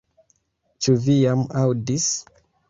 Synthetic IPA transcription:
t͡ʃuvijamawdis

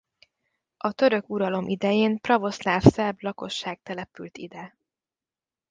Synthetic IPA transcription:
ʔɒt̪ø̞ɾø̞kuɾɒlo̞mʔid̪ɛjeːnprɒvo̞slaːfsɛblɒko̞ʃːaːɡ̚t̪ɛlɛpylt̪ḭd̪ɛ

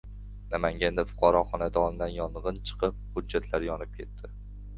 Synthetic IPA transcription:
namaŋɡʲand̪afʊ̥qʰɑɾɒχɒnad̪ɒnɪd̪anjɒnʁɨnt͡ʃʰɨ̥qʰɨp̚hʊd͡ʒːat̪ʰlaɾjɒnɪp̚kʲʰe̞t̪ʰːɪ

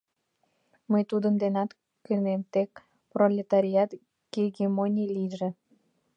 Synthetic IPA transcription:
məjt̪ud̪ənd̪enɑt̪ | kynemt̪ek̚ | prolʲet̪ɑɾʲiɑt̪ | ɡ̥eɡʲemonʲiliʒe

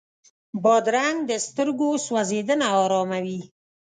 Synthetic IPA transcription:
bɑd̪ɾaŋɡ̚d̪əst̪əɾɡoswazed̪ənaɑɾɑmawi

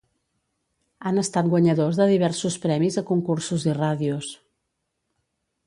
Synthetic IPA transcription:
anəst̪at̪̚ɡwəɲəðozðəðiβ̞ɛɾsuspɾɛmizəkuŋkuɾsuziraðius

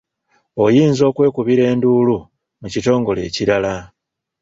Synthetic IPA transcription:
o̞jiːnzo̞ːkwe̞ːkuβiɾe̞ːnduːlu | mucito̞ːŋɡo̞le̞̰ːciɾala

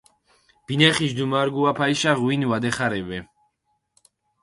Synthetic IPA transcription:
b̥inɛχiʃd̪umaɾɡuapʰaiʃaʁwinvad̪ɛχaɾɛvɛ

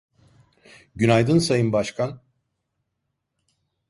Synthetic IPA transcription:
ɟynajd̪ɯnsajɯnbaʃkʰan

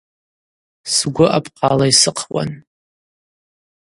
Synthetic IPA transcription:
sɡʷʊʔapʰʼqalaisɨqʰwa̰n

